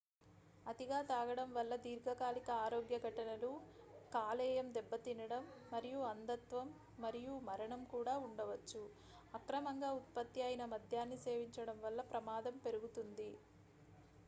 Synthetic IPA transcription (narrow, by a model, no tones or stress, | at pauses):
ɐt̪iɡaːt̪aːɡɐɽɐmʋɐlːɐd̪iːɾɡʱɐkaːlikɐaːɾoːɡjɐɡʱɐʈɐnɐlukaːlɛːjɐmd̪ɛbːɐt̪inɐɽɐmːɐɾijuɐnd̪ɐt̪ʋɐmː | ɐɾijumɐɾɐɳɐmkuːɽaːuɳɖɐʋɐt͡ʃːu | ɐkɾɐmɐŋɡaːut̪̚pɐt̪ːiɐːjinɐmɐd̪ʱjaːnːise̞ːʋiɲt͡ʃɐɽɐmʋɐlːɐpɾɐmaːd̪ɐmpe̞ɾuɡut̪und̪i